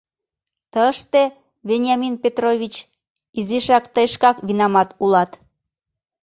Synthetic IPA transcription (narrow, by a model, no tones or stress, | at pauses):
t̪əʃt̪e | βenʲjɑminpʲet̪roβʲit͡ɕ | iziʃɑkt̪əjʃkɑkβinɑmɑt̪ulɑt̪